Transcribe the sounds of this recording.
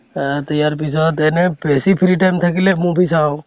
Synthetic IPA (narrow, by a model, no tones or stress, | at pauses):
t̪əjaːɾpisat̪eːnẽpeːsipʰɪɾiʈaːmt̪ʰəkilemũːbʱit͡ʃʰãːõ